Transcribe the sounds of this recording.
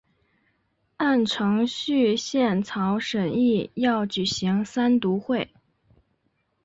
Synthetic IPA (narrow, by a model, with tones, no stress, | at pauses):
a˥˩nʈ͡ʂʰɤ˧˥ŋɕy˥˧ɕjɛ˥˩nt͡sʰɑ˧˥ʊʂə˨˩ni˥˩jɑ˥˩ʊt͡ɕy˨˩ɕi˧˥ŋsa˥nt̪u˧˥xwe˥˩ɪ